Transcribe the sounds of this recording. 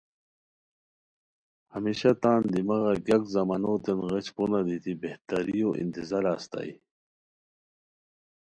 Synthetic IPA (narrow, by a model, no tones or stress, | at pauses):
hɐmiɕat̪aːnd̪imɐɣaɡakzɐmanot̪enɣet͡ɕponad̪it̪ibeht̪aɾijoʔḭnt̪izaɾaːst̪a̰j